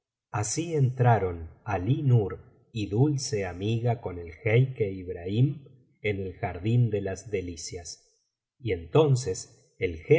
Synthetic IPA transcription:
asient̪ɾaɾo̞nalinuɾ | iðulseamiɣako̞ne̞lxejkeiβɾaim | ene̞lxaɾðind̪elazðe̞lisjas | ie̞nt̪o̞nses | elxe

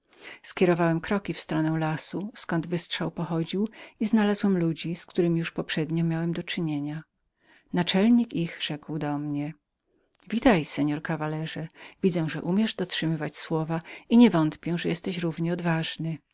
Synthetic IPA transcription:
skʲɛɾɔvawɛmkɾɔkʲifst̪ɾɔnɛw̃lasuskɔnd̪vɘstʂawpɔxɔd͡ʑiwiznalazwɛmlud͡ʑiskt̪uɾɘmʲijuʂpɔpʂɛd̪ɲɔmʲjawɛmd̪ɔt͡ʂɘɲeɲa | nat͡ʂɛlɲikixʐ̥ɛkwd̪ɔmɲɛ | vʲit̪ajsɛɲɔɾkavalɛʐɛvʲid̪zɛw̃ʐɛʔumʲjɛʐd̪ɔtʂɘmɘvat͡ɕswɔvaiɲɛvɔnt̪pʲjɛʐɛjɛst̪ɛɕɾuvɲɛɔd̪vaʐnɘ

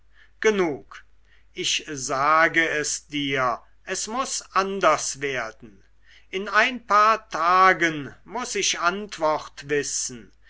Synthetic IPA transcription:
ɡ̥ənuːk | ʔɪçzaːɡəɛsd̥iːɐ | ʔɛsmʊsʔandɐsv̥eːɐdn̩ | ʔɪnaɪnpaːɐtʰaːɡənmʊsɪʃantv̥ɔχtvɪsn̩

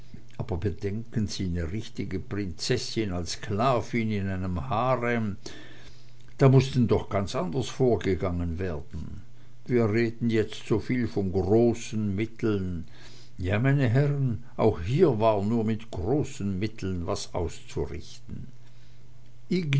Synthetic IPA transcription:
ʔaːbɐbəd̥ɛŋkənziːnəʁɪçtɪɡəpʁ̥ɪnt͡sɛsɪnalskʰlaːvɪnɪnaɪnəmhaːʁɛm | d̥aːmʊstn̩dɔχɡ̥ant͡sʔandɐsfoːɐɡəɡaŋənveːɐdn̩ | viːɐʁeːdn̩jɛt͡stz̥oːfiːlfɔnɡʁoːsn̩mɪtl̩n | jaːmaɪnəɦɛʁən | ʔa̰ʊxhiːɐvaːɐnuːɐmɪtɡ̥ʁoːsn̩mɪtʰl̩nva̰sʔa̰ʊst͡suʁɪ̰çtn̩ | ʔɪ

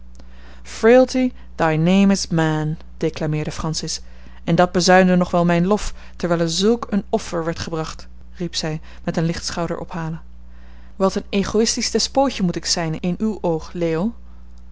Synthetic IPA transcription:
fɹeəlˠti | dɑjnejmɪzmɛn | d̥eklaːmɪːɹdəfrɑnsɪs | ɛndɑd̚bəzœɥndənɔχʋɛlˠmɛjnlɔf | tɛɹʋɛɪjlɛɹzɵlˠkənɔfəɹʋɛɹtχəbrɑχt | ripsɛj | mɛtənlɪχtsχɑwdə̰ɹʔɔ̰pɦaːlə | ʋɑtəneχoɪstistɛspoːcəmutɪksɛjnɪnywʔowχleːo

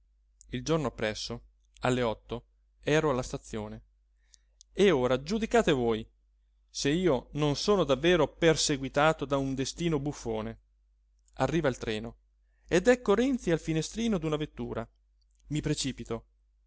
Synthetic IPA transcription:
ild͡ʒornoapːɾɛsːo | alːeɔt̪ːo | ɛːɾoalːast̪at̪sːjoːne | eoːɾad͡ʒud̪ikaːt̪evoːj | seiːononsoːnod̪avːɛːɾoperseɡwit̪aːt̪od̪aund̪est̪iːnobufːoːne | arːiːvailt̪ɾɛːno | ed̪ɛkːoɾɛnt̪sialfinest̪ɾiːnod̪unavet̪ːṵːɾa | mipɾet͡ʃiːpit̪o

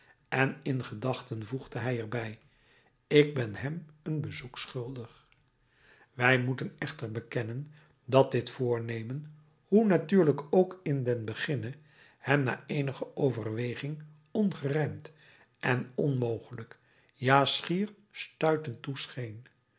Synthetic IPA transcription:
ɛnɪnχədɑχtənvuχdəɦɛjɛrbɛj | ɪɡ̚bɛnɛmənbəzuksχʏlˠdəχ | ʋɛjmutənɛχtərbəkɛnən | dɑt̚dɪtfʊːɹnejmən | hunatyːɹləkowkɪndɛnbəχɪnə | hɛmna̰ːejnəχəʔowvərʋejχɪŋ | ɔnχərɛnt | ʔɛnɔnmowχələk | jaːsχiːr | stœɥtəntusχejn

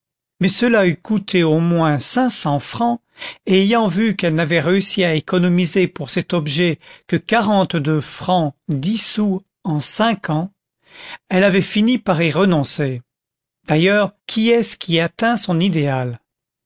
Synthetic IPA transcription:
mɛsəlaykut̪ʰeomwɛ̃sɛ̃sɑ̃fχɑ̃ | eːjɑ̃vykɛlnavɛʁeysiaekɔnɔmizepuʁsɛt̪ɔbʒɛkəkaʁɑ̃t̪d̪øfχɑ̃d̪isu | ɑ̃sɛ̃kʰɑ̃ | ɛlavɛfinipaʁiʁənɔ̃se | d̪̥ajœʁkʲʰiɛsə̥kʲʰiat̪ɛ̃sɔ̃nid̪eal

